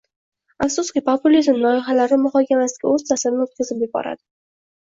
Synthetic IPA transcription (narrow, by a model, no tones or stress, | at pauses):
afsʊskʲɪpʰopʊlʲizmnɒɪχalaɾɪmʊχɒkʲʰamasɪ̥ɡʲaɵz̥t̪ʰasaɾɪnɪot̪̚kʲazɪp̚jeb̚ɒ̰ɾa̰d̪ɪ